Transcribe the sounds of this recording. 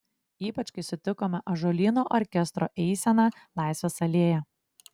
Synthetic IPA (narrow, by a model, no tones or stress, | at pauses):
iːpɐt͡ʃʲkɐɪsʊt̪ʲɪkoːmʲɛʔɐʒolʲiːnoːʔɔɾʲkʲɛst̪ɾo̰ːʔɛɪsʲɛnɑːlˠɑˑɪsʲʋʲesɐlʲeːjɛ